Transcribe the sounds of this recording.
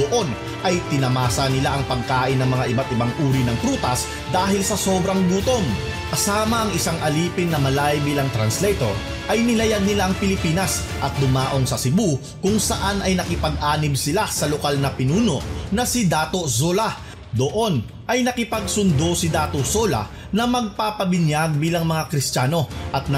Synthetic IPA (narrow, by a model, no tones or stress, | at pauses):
d̪oʔo̞n | ʔɐjt̪ɪnɐmaːsɐnɪlaʔɐŋpɐɡ̚kaːʔɪnːɐŋmɐŋaʔɪbat̪ɪbaŋʔuːɾinɐŋpɾuːt̪ɐs | d̪aːɦɪlsɐso̞ːbɾɐŋɡuːt̪o̞ŋ | kɐsaːmɐʔɐŋɪsaŋʔɐliːpɪnːɐmɐlajbiːlɐŋt̪ɾɐnslɛjt̪o̰ɾ | ʔɐjnɪlɐjad̪̚nɪlaʔɐŋpɪlɪpiːnɐs | ʔɐt̪̚d̪ʊmaːʔo̞ŋsɐsɪbu | kʊŋsɐʔanɐjnɐkɪpɐɡ̚ʔaːnɪbsɪlasɐlokalnɐpɪnuːno̞ʔnɐsɪd̪aːt̪o̞soːlɐ | d̪oʔo̞n | ʔɐjnɐkɪpɐɡ̚sʊnd̪o̞sɪd̪aːt̪osoːlɐ̰ | nɐmɐɡ̚papɐbɪnjaɡ̚biːlɐŋmɐŋakɾɪstaːno̞ʔɐt̪̚n